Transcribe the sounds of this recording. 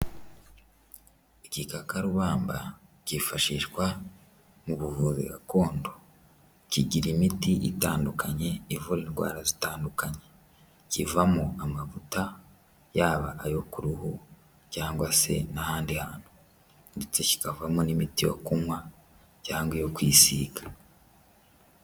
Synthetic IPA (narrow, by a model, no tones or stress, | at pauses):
icikakaɾuβaːmba̰cifaʃiʃɡwa | muβuvuzḭɡa̰ko̞ːndo | ciɟiɾimitiʔḭtaːndukaɲe̞ivuɾinɡwa̰ːɾazitaːndukaɲe̞ | civamoamaβuta | jaːβaʔːjo̞kuɾuhu | caːŋɡwase̞̰nahaːndihaːn̥hu | ndet͡so̞ci̥kavamonimitijo̞̰kumwa | caːŋɡwejo̞kwiːsiːɡa